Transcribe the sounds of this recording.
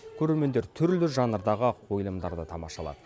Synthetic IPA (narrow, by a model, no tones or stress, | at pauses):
kʲʰɵɾe̞ɾme̞nd̪e̞ɾt̪ʰʏɾlɪʒɑnəɾd̪ɑʁəqʰo̞jlˠəmd̪ɑɾd̪ət̪ʰɑmɑ̰ʃɑlˠɑ̰d̪ə